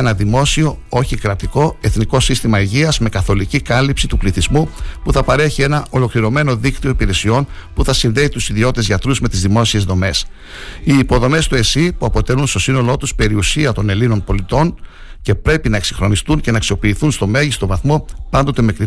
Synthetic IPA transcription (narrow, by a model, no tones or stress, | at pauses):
enɐðimo̞sio̞o̞çikɾɐt̪iko̞e̞θniko̞sist̪imɐiʝiɐzme̞kɐθo̞licikɐlipsit̪upliθizmupuθɐpɐɾe̞çie̞nɐʔo̞lo̞kliɾo̞me̞no̞ðikt̪io̞ipiɾe̞sio̞npuθɐsinðe̞it̪usiðio̞t̪t̪e̞zʝɐt̪ɾuzme̞t̪izðimo̞sie̞zðo̞me̞s | iːpo̞ðo̞me̞st̪ue̞sipuɐpot̪e̞lunst̪o̞sino̞loo̞t̪uspe̞ɾiusiɐt̪o̞ne̞lino̞npo̞lit̪o̞n | ce̞pɾe̞pinɐe̞ksiŋxɾo̞nist̪unce̞nɐːksio̞piːθunst̪o̞me̞ʝist̪o̞vɐθmo̞pɐnd̪o̞t̪e̞mekɾi